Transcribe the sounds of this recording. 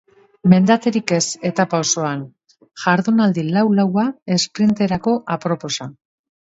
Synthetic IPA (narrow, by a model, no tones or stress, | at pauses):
me̞nd̪at̪e̞ɾike̞se̞t̪apaoso̞an | ʝaɾðunald̪ilawlawae̞spɾint̪e̞ɾako̞ʔapɾo̞po̞sa